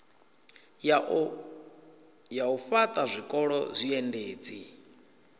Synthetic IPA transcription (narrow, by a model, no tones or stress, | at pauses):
jaufat̪ʼazʷikʼɔɺɔzʷiɛndeːt͡sʼi